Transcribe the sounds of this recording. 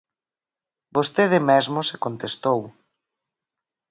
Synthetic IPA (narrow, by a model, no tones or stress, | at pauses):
bost̪eð̞ɪmɛzmʊsekont̪est̪ow